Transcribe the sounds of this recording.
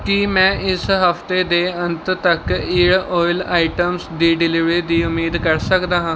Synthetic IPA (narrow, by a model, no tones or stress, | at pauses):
kimɛ̃ːɪsɦəft̪eːd̪eːənt̪t̪əkiːɽoːɪlaːiʈəmsd̪iːɖɪlɪʋɾiːd̪iːʊmːiːd̪kəɾsəkd̪aːɦãː